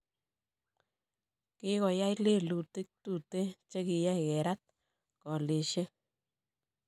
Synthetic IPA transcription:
ki˦kɔ˨ja˦jle˦˨lu˨ti˦k̚tu˦˨te˦t͡ʃe˦ki˨jɛ˦kɛ˨ɾa˦t̚ | kɔ˨le˨ʃe˦

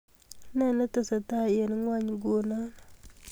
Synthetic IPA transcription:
na˦˨na˦tə˦˨sa˨ta˦je˨n˦ŋwa˦ɲɡo˨na˦n

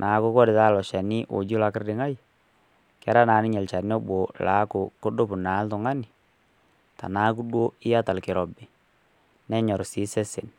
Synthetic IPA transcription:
nʔaː˨˦ko˦kɔ˦dɪ˨ta˦˨lɔ˨ʃa˨nɪ˦ʔo̰˨d͡ʒu˦la˨kɪ˦rdɪ˨ŋa˦j | kɛ˦ɾa˦na˨˦nɪ˦ɲɛ˨lt͡ʃa˨n˦ɔ˦ɓo˨la˨˦kʊ˨ko˦ɗo˦pʊ˨na˨˦ltʊ˨ŋa˦nɪ˨ | ta̰˨naː˨˦ku˦ɗwo˦ɪ˦a˦ta˨lkɪ˨ɾɔ˨bɪ˨ | nɛ˦ɲɔ˨ɾsi˨˦sɛ˦sɪ˨n

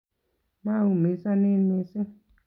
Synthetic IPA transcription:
ma˦˨u˨me˨˦sa˦nɪ˦nɪ˧sɪ˦

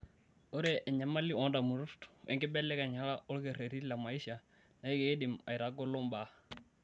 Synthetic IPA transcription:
o˦ɾe˨ʔɛ˨ɲa˨ma˦li˦ɔ˨˦nda˨mu˨ɾu˦tɛ̰˨ŋɡɪ˦bɛ˦lɛ˦ka˨ɲa˨la˦ɔ˦lke˨ɾe˨ɾi˦la˨ma˨i˦ʃa˨ | na˨i˦ke˨e˦dɪ˨ma̰˨jɾa˨˦ɡɔ˦lɔ˦mba˨˦

